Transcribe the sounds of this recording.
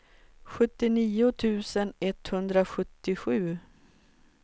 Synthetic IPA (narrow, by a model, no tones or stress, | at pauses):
ɧɵt̪ːɪniːʊt̪ʰʉ̟ːsənɛt̪hɵnd̪ɾaɧɵt̪ːɪɧʉ̟ː